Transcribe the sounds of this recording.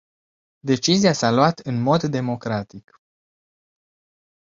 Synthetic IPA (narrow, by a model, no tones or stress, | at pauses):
d̪e̞t͡ʃiziasaloat̪ɨnmo̞d̪ːe̞mo̞kɾat̪ik